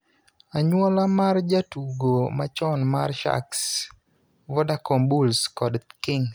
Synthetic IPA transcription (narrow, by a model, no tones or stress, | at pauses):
aɲwɔlamard͡ʒatuɡomat͡ʃɔnmarʃa̰ks | vɔdakɔmbulskɔdkɪŋ